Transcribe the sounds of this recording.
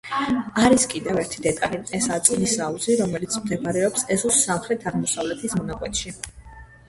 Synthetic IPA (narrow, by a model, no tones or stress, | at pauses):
aɾiskʼid̪ɛvɛɾt̪ʰid̪ɛt̪ʼaliɛsat̪sʼlisauziɾɔmɛlit̪sʰmd̪ɛbɾɛɔpsɛzusamχɾɛt̪ʰaʁmɔsavlɛt̪ʰismɔnakʼwɛt̪ʰʼʃi